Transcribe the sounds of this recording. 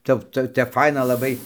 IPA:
ˈtʲɛp ˈt͡sɐ tʲɛp ˈfɐɪnɐ lˠɐˈbɐɪ

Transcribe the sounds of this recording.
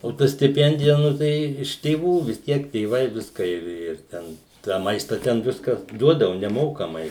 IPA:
oː ˈtɐ sʲtʲɪˈpʲɛnʲdʲɪjɛ ˈnʊ tɐɪ ɪʃ tʲeːˈʋuː ʋʲɪs ˈtʲiɛk tʲeːˈʋɐɪ ʋʲɪsˈkɑː ɪr ɪr ˈtʲɛn tɑː ˈmɐɪstɐ tʲɛn ˈʋʲɪskɐs ˈduɔdɐʋʊ nʲɛˈmoːkɐmɐɪ

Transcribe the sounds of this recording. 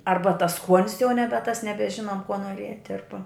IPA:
ˈɐrbɐ tɐs ˈskuɔnʲɪs jɛʊ ˈnʲæːbʲɛ tɐs nʲɛbʲɛˈʒʲɪnoːm kuɔ nuɔˈrʲiɛtʲ ˈɐrbɐ

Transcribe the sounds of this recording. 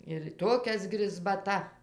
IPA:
ɪr ˈtoːkʲɛs ɡrʲɪzbɐˈtɐ

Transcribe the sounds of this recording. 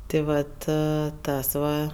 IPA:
tʲɪ ˈʋɐt ˈtɐs ʋɐ

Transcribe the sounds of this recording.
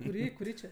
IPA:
kʊˈrʲiː kʊˈrʲiː t͡ʃʲɛ

